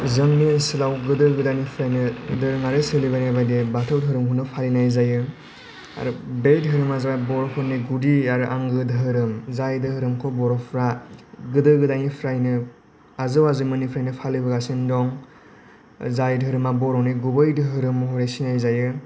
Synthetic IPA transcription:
zɯŋninsɯlawɡɯdɯɡɯdanipʰɾajnɯdɯɾɯŋaɾɯsɯlibanajbajdebatʰɯwdʰʱɯɾɯmhʰunːɯpʰalinajzajɯ | a̰ɾubejdɦɯɾɯmazawbɔɾɔkʰɔniɡudiaɾɯʔaŋɡɯdɯɦɯɾɯmzajdɯhɯɾɯmkʰɔbɔɾɔpʰɾaɡɯdɯɡɯdanipʰɾajnɯ | azɯwazɯmɯnipʰɾajnɯpʰalibɯɡasindɔŋ | zajdʰʱɯɾɯmabɔɾɔniɡubɯjdɯɦɯɾɯmɦɔɾesinajzajɯ

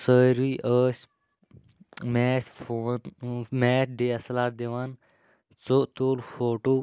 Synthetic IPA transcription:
səːɾiːʔəːsʲ | mɛːtfoːnmeːtʰɖeːɐslaːɾd̪eʋaːn | t͡sot̪oːlfoːʈoː

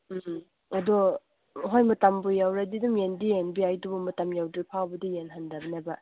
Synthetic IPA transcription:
ɐdɔ | ɦojmɐtambujawɾadidumjendienbiajdubumɐtɐmjawdɾipʰawbɐdijenɦandɐbɐnabɐ

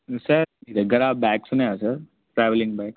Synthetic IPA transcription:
sɐɾid̪eɡɐɾaːbɛːksuneasɐɾ | ʈɾɛːʋlɪ̃ŋɡbɛːks

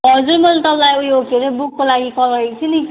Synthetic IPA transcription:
ɦʌd͡zuɾmʌlt̪ʌblajujoɡeɾʌbukːolaɡikʌlʌikt͡sʰini

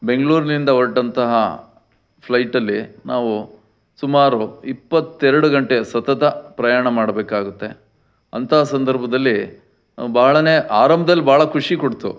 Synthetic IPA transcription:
be̞ŋɡɭuːɾnind̪ɐoʈːɐnt̪ɐɦɐ̰ | pʰlɐjʈɐlːinaːʋu | sumaːɾuipːɐt̪ːɛɾɐɽuɡɐɳʈesɐt̪ɐt̪ɐpɾɐjaːɳɐmaːɽɐbeːkaːɡut̪ːe̞ | ɐnt̪ɐɦɐsɐnd̪ɐɾbʱɐd̪ɐlːi | baːɐɭɐneːʔaːɾɐmbɐd̪ɐlːibaːɭɐkʰuʂikoɽt̪ṵ

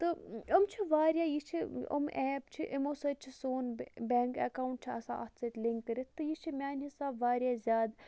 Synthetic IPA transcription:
t̪ɨɐmt͡ʃʰiʋaːɾʲjaːjit͡ʃʰiɐ̰mʔɛːp̚t͡ʃʰiʔimoːsɐt͡ʃʰisoːnbʲeŋkɐ̰kaːwuɳʈ̚t͡ʃʰiɐsã̰ʔɐ̰t̪ʰsɐt̪ʲliŋkkːəɾit̪t̪ːɨjit͡ʃʰimʲjaːnʲɦisaːbʋaːɾʲjaːzʲaːd̪

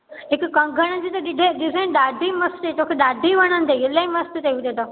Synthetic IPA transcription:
ɦɪkkɐ̃ŋɡʱəɽ̃əd͡ʑiːt̪ɐɗɪɖʱeɗɪzẽnɗ̪aːɖ̪ʱimɐst̪et̪oːkʰeɗ̪aːɖ̪ʱiʋɐɽ̃ənd̪eɪleĩmɐst̪t̪eʋɪd̪ʱed̪oː

